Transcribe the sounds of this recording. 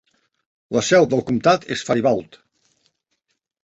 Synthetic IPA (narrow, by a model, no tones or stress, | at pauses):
ləsɛwðəlˠkumt̪at̪esfajβalˠt̪